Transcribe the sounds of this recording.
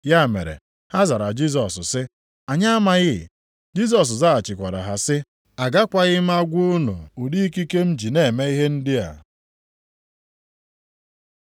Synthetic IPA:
ja˦˨mḛ˨ɾḛ˨ | ha˦za˨ɾa˨d͡ʒi˦z̬ɔ˨ssɪ˦ | a˨ɲa˦a˦ma˦ɣɪ˦˨ | d͡ʒi˦s̬ɔ˨s̬za˦a˨t͡ʃɪ˨kʷa˨ɾa̰˨ɦa˨sɪ˦ | a˨ɡa˦kʷa˨ɣɪ˦m̩˦a˦ɡʷu˦ʊ˦nṵ˨u˨di˦i˦ki˦ke˦m̩˦d͡ʒi˨ne˨e˨me˦i˦ɦe˦n̩˦dɪ˦a̰˨

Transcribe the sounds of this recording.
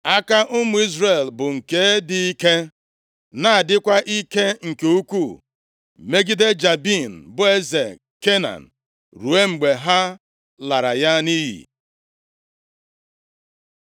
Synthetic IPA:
a˦ka˦ʔʊ˦mʊ˨i˦zre˨lbʊ˨ŋ̩˨ke˨˦dɪ˨i˦ke˦ | na˨a˨dɪ˦kʷa˦ʔi˦ke˦ŋ̩˨ke˨u˦kʷu˦˨ | me˦ɡi˦de˦d͡ʒa˨bi˦˨n̩˨bʊ˦e˦ze˨ | ke˦na̰˨n̩˨ | ɾu˨e˦ŋ͡m̩˨ɡ͡be˨ɦa˦ | la˨ɾa̰˨ja˦ni˦ɦḭ˨

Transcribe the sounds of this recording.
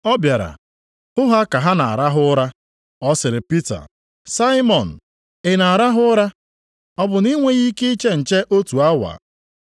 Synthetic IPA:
ɔ˦bja˨ɾa̰˨ | ʊ˦ɦa˦ka˨ɦa˦na˨a̰˨ɾa˦ɦʊ˦ɾa˦ | ɔ˦sɪ˨ɾɪ˨pi˦ta̰˨ | sa˦ɪ˦mɔ˨n̩˨ | ɪ˨na˨a˨ɾa˦ɦʊ˦ɾa˦ | ɔ˦bʊ˨ni˦ŋʷe˦ɣi˦ke˦i˦t͡ʃe˦n̩˨t͡ʃe˦ʔo˦tu˨a˦wa̰˨

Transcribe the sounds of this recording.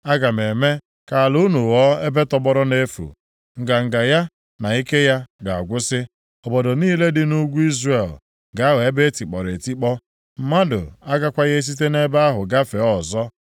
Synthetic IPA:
a˦ɡa˨me˨me˦ | ka˨lu˦nu˨wɔ˦e˦be˦tɔ˦bɔ˦ɾʊ˦ne˦fṵ˨ | ŋ̩˨ɡa˨ŋ̩˨ɡa˨ja˦ | na˨i˦ke˦ja˦ɡa˨a̰˨ɡʷʊ˦sɪ˦ | ɔ˨bɔ˨do˨niː˦le˦dɪ˦nu˦ɡʷu˦i˦zre˨l | ɡa˨˦a˦we˨e˦be˦ti˨k͡pɔ̰˨ɾe˨ti˦k͡pɔ˦ | m̩˦ma˦dʊ̰˨a˦ɡa˦kʷa˦ɣe˦s̬i˦t̬e˦ne˦ba˦a˦ɦʊ˨ɡa˦fe˨˦ɔ˦˨zɔ˦

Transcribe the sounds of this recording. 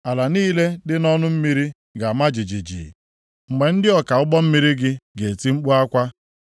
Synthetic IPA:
a˨la˨niː˦le˦dɪ˦nɔ˦nʊ˦m̩˦mi˦ɾi˦ | ɡa˨ma˦d͡ʒi˨d͡ʒi˨d͡ʒḭ˨ | ŋ͡m̩˨me˨n̩˦dɪ˦ɔ˨ka˨ʊ˦ɡ͡bɔ˦m̩˦mi˦ɾi˦ɡɪ˦ɡe˨ti˦ŋ͡m̩˦k͡pu˦a˦kʷa˦

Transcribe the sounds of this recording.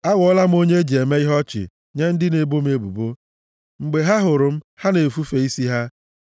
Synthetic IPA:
a˦ɣɔ˦la˦m̩˦o˦ɲe˦d͡ʒi˨e˨me˦i˦ɦɔ˦t͡ʃɪ̰˨ | ɲe˦n̩˦dɪ˦ne˨bo˦m̩˦e˦bṵ˨bo˦ | ŋ͡m̩˨ɡ͡be˨ɦa˦ɦʊ˨ɾʊ˨m̩˦ha˦ne˨fu˦fe˨i˦si˦ɦa˦

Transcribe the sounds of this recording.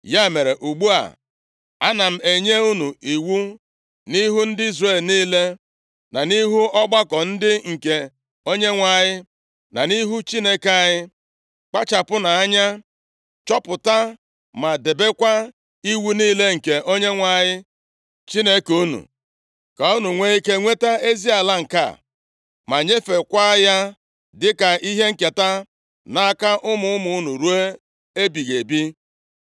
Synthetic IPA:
ja˦˨me˨ɾe˨ʔu˨ɡ͡bu˦a̰˨ | a˦na˨m̩˨e˨ɲe˦u˦nu˨i˨wu˦ | ni˦ɦu˦n̩˦dɪ˦i˦zre˦˨lniː˦le˦ | na˨ni˦ɦu˦ɔ˦ɡ͡ba˦kɔ˨n̩˦dɪ˦ŋ̩˨ke˨ | o˦ɲe˦ŋʷa˨ɲɪ˦ | na˨ni˦ɦu˦t͡ʃi˦ne˦ka˦˨ɲɪ˦ | k͡pa˦t͡ʃa˨pʊ˦na˨a˦ɲa˦ | t͡ʃɔ˦pʊ˨ta˦ | ma˨de˨be˦kʷa˦ | i˦wu˦niː˦le˦ŋ̩˨ke˨ʔo˦ɲe˦ŋʷa˨ɲɪ˦ | t͡ʃi˦ne˦ku˦nṵ˨ | ka˨u˦nu˨ŋʷe˦i˦ke˦ŋʷe˦ta˦e˦zi˦a˨la˦ŋ̩˨ka̰˦˨ | ma˨ɲe˦fe˨kʷa˦ja˦ | dɪ˦ka˨ʔi˦ɦe˦ŋ̩˨ke˨ta˦ | na˨a˦˨ka˦ʔʊ˦mʊ˦ʊ˦mʊ˨ʊ˦nu˨ɾu˦e˦ | e˦bi˨ɣe˨bi˦

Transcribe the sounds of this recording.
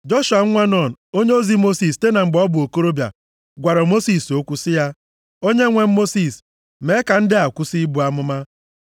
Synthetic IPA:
d͡ʒɔ˦ʃu˨a˨˦ŋʷa˦nɔ˨n̩˨o˦ɲe˦o˦zi˦mo˦si˨ste˦na˨ŋ͡m̩˨ɡ͡bɔ˦bʊ˨o˨ko˦ɾo˦bja̰˨ | ɡʷa˨ɾɔ˨mo˦si˨so˦kʷu˦sɪ˦ja˦ | o˦ɲe˦ŋʷe˨m̩˦mo˦si˨s | me˨˦ka˨n̩˦dɪ˦a˨kʷu˦si˦bu˨a˦mʊ˦ma˦

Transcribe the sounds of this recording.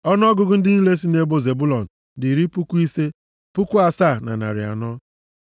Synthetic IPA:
ɔ˦n˦ɔ˦ɡʊ˨ɡʊ˦n̩˦dɪ˦n̩˦le˦si˦ne˦bo˦ze˨bu˦lɔ˨n̩˨ | di˨ɾi˦pu˦kʷu˦i˦se˦ | pu˦ku˦a˨sa˦˨na̰˨na̰˨ɾɪ̰˨a̰˨nɔ˦

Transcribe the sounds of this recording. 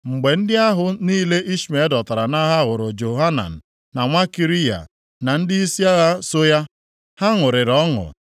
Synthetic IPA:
ŋ͡m̩˨ɡ͡be˨n̩˦dɪ˦a˦ɦʊ˨niː˦le˦ʔi˦ʃi˨me˨˦dɔ˨ta˨ɾa˨na˦ɦa˦ɣʊ˨ɾʊ˨d͡ʒo˨ɦa˦na̰˨n̩˨ | na˨ŋʷa˦ki˨ɾi˦ja̰˨ | na˨n̩˦dɪ˦i˦si˦a˦ɣa˦so˦ja˦ | ha˦ŋʊ˨ɾɪ˨ɾɔ˦ŋʊ̰˨

